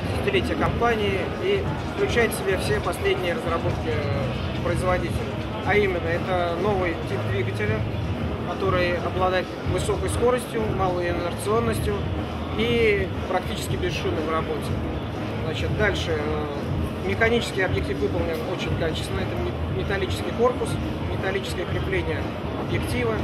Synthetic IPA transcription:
ɪsʲɪ̥tʲɪlʲetʲɪjəkɐmpanʲɪɪ | i | fklʲʉt͡ɕæjɪt̪sʲɪbʲefsʲepɐsʲlʲedʲnʲɪjərəzrɐbo̞t̪̚kʲɪ | pɾəɪzvɐdʲitʲɪlʲɪ | ɐimʲɪnːəɛt̪əno̞vɨjtʲip̚d̪vʲiɡətʲɪlʲəkɐt̪o̞ɾɨjɐblˠɐd̪ajɪt̪vɨso̞kəjsko̞ɾəsʲtʲjʊmalˠəjɪnərt̪sɨo̞nːəsʲtʲjʊ | i | pɾɐk̚tʲit͡ɕɪ̥skʲɪbʲɪzʂɨnːɨmrɐbo̞tʲɪ | znat͡ɕɪt̪̚d̪alʲʂɨ | mʲɪxɐnʲit͡ɕɪ̥skʲɪjɐbjɪk̚tʲifvɨpəlˠnʲɪno̞t͡ɕɪnʲkat͡ɕɪ̥st̪ʲɪnəɛt̪ə | mʲɪt̪ɐlʲit͡ɕɪskʲɪjko̞rpʊs | mʲɪt̪ɐlʲit͡ɕɪ̥skəjəkɾʲɪplʲenʲɪjə | ɐbjɪktʲivə

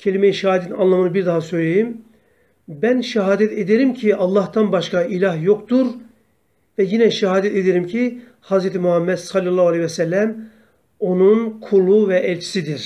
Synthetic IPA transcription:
cʰelʲimejiʃɛaːid̪et̪ʰinanlˠamɯnɯbiɾd̪aɦasø̞jlʲejim | bænʃɛɦaːd̪ɛt̪ʰed̪eɾimcʰiɑlˠːɑht̪ʰanbaʃkailʲaɦjo̞kt̪uɾ | vɛjinɛʃɛɦaːd̪ɛt̪ed̪eɾimcʰi | hɑzɾɛt̪ʰimuɦamːɛd̪sɑlʲːɑlˠːɑːhualʲˠehjvɛsɛlːæm | o̞nunkʰulˠuvɛʔɛlʲt͡ʃʰi̥sid̪iɾ̥

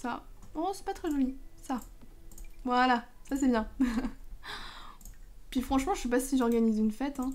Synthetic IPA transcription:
saɔ̃sɛ̥pat̪χɛʒɔlisa | vwalasas̬ɛbjɛ̃ | pɥifχɑ̃ʃmɑ̃ʒə̥sɛp̬asiʒɔʁɡanizynfɛt̪ɛ̃

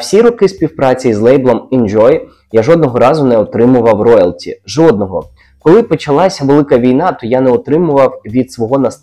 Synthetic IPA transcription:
wsʲiɾɔkɪspʲiwpɾɑt͡sʲijizlˠɛjblˠɔmind͡ʒɔj | jaʒɔd̪̚nɔɦɔɾɑzʊnɛɔt̪ɾɪmʊʋɐwrɔjɛlʲˠtʲḭʒɔd̪̚nɔɦɔ | kɔlˠɪpɔt͡ʃɐlˠɑsʲɐʋelˠɪkɐʋʲijnɑt̪ɔjanɛɔt̪ɾɪmʊʋɐwʋʲid̪sʋɔɦɔnɐs

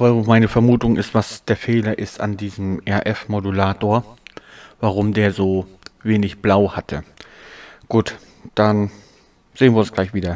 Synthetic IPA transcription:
vamaɪnəfɛɐmuːtʊŋɪstv̥asd̥eːɐfeːlɐʔɪstandiːzəm̩ʔɛɐʔɛfmodulaːtoːɐ | vaʁ̞ʊmdeːɐzoːveːnɪçb̥laʊhatʰə | ɡ̥uːt | d̥an | z̥eːnviːɐʊnsɡ̥laɪçv̥iːdɐ

